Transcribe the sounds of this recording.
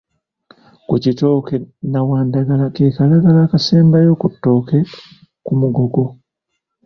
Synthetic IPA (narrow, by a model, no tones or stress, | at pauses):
kucito̞ːkenawaːndaɡalakeːkalaɡalaːkaseːmbajo̞ːkutːo̞ːke̞ | kumuɡo̞ɡo̞